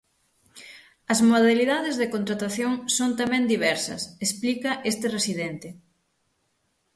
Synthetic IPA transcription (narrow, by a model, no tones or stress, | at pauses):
ɐzmoðaliðaðezðekont̪ɾat̪aθjoŋsont̪amɛ̃nd̪iβɛɾsɐ̰sesplikɐʔest̪ɪresiðent̪ɪ